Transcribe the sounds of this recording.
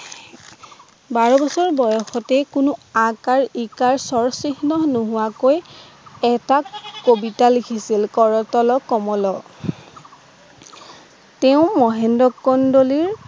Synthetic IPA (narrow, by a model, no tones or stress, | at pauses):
baɹɔbɔsɔɹbɔjɔxɔtɛkʊnʊãkaɹikaɹsɔɹsixnɔnʊɦʊwakoj | ɛtakobitalikʰisilkɔɹɔtɔlɔkɔmɔlɔ | tɛʊ̃mɔɦɛndɔkːɔndoliɹ